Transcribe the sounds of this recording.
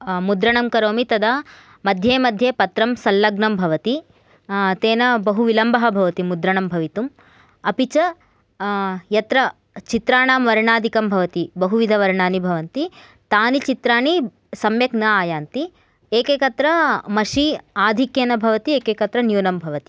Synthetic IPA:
mud̪ɾɐɳɐmkɐɾoːmit̪ɐd̪ɐ | mɐd̪ʱjeːmɐd̪ʱjeːpɐt̪ɾɐmsɐlːɐɡnɐmbʱɐʋɐt̪i | t̪eːnɐbɐɦuʋilɐmbɐɦɐbʱɐʋɐt̪imud̪ɾɐɳɐmbʱɐʋit̪um | ɐpit͡ʃɐ | jɐt̪ɾɐ | t͡ʃit̪ɾaːɳaːmʋɐɾɳaːd̪ʱikɐmbʱɐʋɐt̪ibɐɦuʋid̪ʱɐʋɐɾɳaːnibʱɐʋɐnt̪i | t̪aːnit͡ʃit̪ɾaːɳi | sɐmjɐɡnɐaːjaːnt̪i | eːkeːkɐt̪ɾɐmɐʂiaːd̪ʱikjeːnɐbʱɐʋɐt̪ieːkeːkɐt̪ɾɐnjuːnɐmbʱɐʋɐt̪i

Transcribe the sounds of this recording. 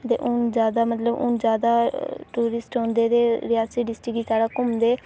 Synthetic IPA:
t̪ḛːʔʊnd͡ʒjaːd̪aːmət̪ləbʊ̰nd͡ʒjaːd̪aːʈuːɾɪsʈõːnd̪eːd̪eːɾɪjaːsiːɖɪsʈɪkiːsaːɽaːkʊmd̪eː

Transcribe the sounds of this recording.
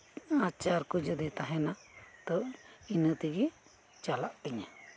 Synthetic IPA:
at͡ʃaɾkud͡ʒəd̪ɛt̪aɦɛnat̪ɔinət̪iɡɛ | t͡ʃalaʔk̪iɲa

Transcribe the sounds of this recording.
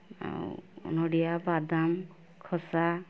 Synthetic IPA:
a̰nɔɽijabad̪am | kʰɔsa

